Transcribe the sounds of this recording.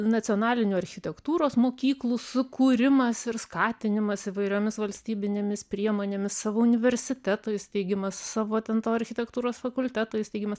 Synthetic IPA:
nɐt̪t͡s̪ʲɪoːnɑːlʲɪnʲuːɐɾʲxʲɪt̪ʲɛkt̪uːɾoːsmoːkʲiːklˠusʊkuːɾʲɪmɐsɪɾskɑːt̪ʲɪnʲɪmɐsɪʋɐɪɾʲoːmʲɪsʋɐlʲsʲt̪ʲiːbʲɪnʲeːmʲɪspʲɾʲiɛmoːnʲeːmʲɪssɑːʋoːʊnʲɪʋʲɛɾʲsʲɪt̪ʲæt̪oːɪjst̪ʲɛɪɡʲɪmɐssɑːʋoːt̪ʲɛnt̪oːɐɾʲxʲɪt̪ʲɛkt̪uːɾoːsfɐkʊlʲt̪ʲæːt̪oːjst̪ʲɛɪɡʲɪmɐs

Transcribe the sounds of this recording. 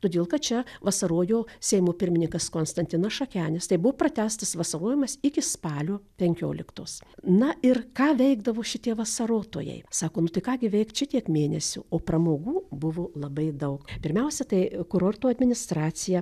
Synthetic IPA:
t̪oːd̪ʲeːlˠkɐt̪t͡ʃʲɛʋɐsɐɾoːjoːsʲɛɪmoːpʲɪɾʲmʲɪnʲɪŋkɐskoːnst̪ɐnʲt̪ʲɪnɐsʃɐkʲæːnʲɪst̪ɐɪbʊʋoːprɐt̪ʲæːst̪ɐsʋɐsɐɾoːjɪmɐsɪkʲɪspɑːlʲoːpʲɛŋʲkʲo̰ːlʲɪkt̪o̰ːsnɐɪrkɑːʋʲɛɪɡd̪ɐʋoːʃʲɪt̪ʲiɛʋɐsɐɾoːt̪o̰ːjɛ̰ɪsɑːkoːnʊt̪ɐɪkɑːɡʲɪʋʲɛɪkt̪ʃʲɪt̪ʲiɛkmʲeːnʲɛ̰sʲʊ̰oːprɐmoːɡuːbʊʋoːlˠɐbɐɪd̪ɐʊkpʲɪɾʲmʲɛʊsʲɛt̪ɐɪkʊɾort̪uːɐd̪ʲmʲɪnʲɪst̪ɾɑːsʲɪjɛ

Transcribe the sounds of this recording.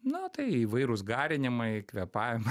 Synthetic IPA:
nʊt̪ɐɪiːʋɐɪɾʊsɡɑːɾʲɪnʲɪmɐɪkʋʲɛpɑːʋʲɪmɐ

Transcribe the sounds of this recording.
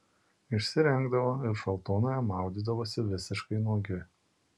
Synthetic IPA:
ɪʃʲsʲɪɾʲɛŋɡd̪ɐʋoːɪɾʃɐlˠt̪oːnoːjɛmɑˑʊd̪ʲiːd̪ɐʋoːsʲɪʋʲɪsʲɪʃkɐɪnuɔɡʲɪ

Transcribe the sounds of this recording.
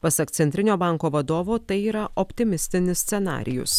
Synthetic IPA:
pɐsɐkt̪sʲɛnʲt̪ʲɪnʲoːbɑŋkoːʋɐd̪oːʋoːt̪ɐɪiːɾɐʔɔpʲt̪ʲɪmʲɪsʲt̪ʲɪnʲɪsʲt̪sʲɛnɑ̰ːɾʲɪ̰jʊ̰s

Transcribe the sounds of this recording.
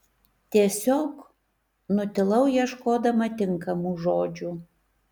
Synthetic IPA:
t̪ʲiɛsʲoːk | nʊt̪ʲɪlˠɐʊjiɛʃkoːd̪ɐmɐt̪ʲɪŋkɐmuːʒoːd͡ʒʲuː

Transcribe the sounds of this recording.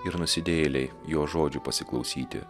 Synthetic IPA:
ɪɾnʊsʲɪd̪ʲeːlʲɛɪjoːʒoːd͡ʒʲʊpɐsʲɪklˠɒʊsʲiːt̪ʲɪ̰

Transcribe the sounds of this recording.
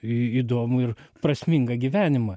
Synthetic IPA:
iːd̪oːmʊɪrpɾɐsʲmʲɪŋɡɐɡʲiʋʲæːnʲɪmɐ

